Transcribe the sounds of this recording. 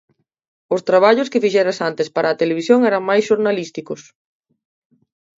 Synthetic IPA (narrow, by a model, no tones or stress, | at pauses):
ʊst̪ɾaβ̞aʎʊskɪfiʃɛɾasant̪espaɾɐːt̪eleβ̞isjoŋɛɾɐŋmajsʃoɾnalist̪ikʊs